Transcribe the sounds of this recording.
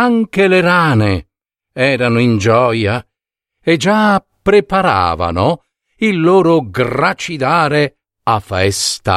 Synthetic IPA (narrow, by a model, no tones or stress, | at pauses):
aŋkeleɾaːne | ɛːɾanoind͡ʒɔːja | ed͡ʒa | pɾepaɾa̰ːva̰no | ilːoːɾoɡrat͡ʃid̪aːɾe | afɛst̪a̰